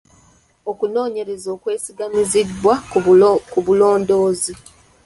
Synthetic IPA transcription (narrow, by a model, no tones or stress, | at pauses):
o̞kuno̞ːɲe̞ɾe̞zo̞ːkwe̞ːsiɡamizidwa | kuβulo̞ːndo̞ːzi